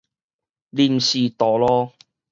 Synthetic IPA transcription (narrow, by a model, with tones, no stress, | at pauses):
liː˧˩m̩˨siː˨˧t̪ɔː˨˩lɔː˥